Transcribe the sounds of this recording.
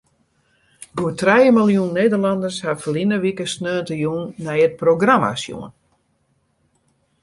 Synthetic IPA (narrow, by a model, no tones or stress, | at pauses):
ɡuətrɛjəmilˠjunːejdərlandərshafəlinəʋikəsnøːntəjuːnːɛjət̚proɡrama̰sjṵən